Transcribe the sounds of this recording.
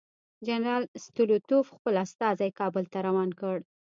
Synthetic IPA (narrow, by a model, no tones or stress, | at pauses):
d͡ʒanɾɑlst̪ulut̪ofxpəlast̪ɑzajkɑbəlt̪aɾawɑnkəɽ